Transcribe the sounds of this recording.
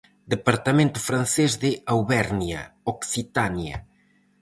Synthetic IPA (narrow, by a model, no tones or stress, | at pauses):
d̪epɐɾt̪ɐmẽnt̪ʊfɾɐ̃nsezðɪawβɛɾnjɐ̰oksit̪anjɐ̰